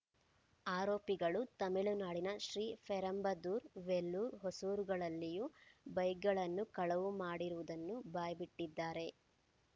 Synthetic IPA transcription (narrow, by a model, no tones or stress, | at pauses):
aːɾoːpiɡɐɭut̪ɐmiɭunaːɽinɐʃɾiːpʰɛɾɐmbɐd̪uːɾʋelːuːɾɦosuːɾuɡɐɭɐlːijubɐjɡɐɭɐnːukɐɭɐʋumaːɽiɾuʋud̪ɐnːubaːjɐbiʈːid̪ːaːɾe̞